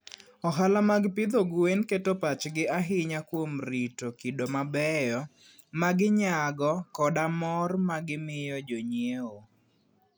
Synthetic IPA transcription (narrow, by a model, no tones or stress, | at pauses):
ɔɦalamaɡpɪd̪oɡwenketopat͡ʃɡɪʔaɦɪɲakwomɾitokidomabɛjɔ | maɡɪɲaɡɔkɔdamɔrmaɡɪmɪjɔd͡ʒoɲeo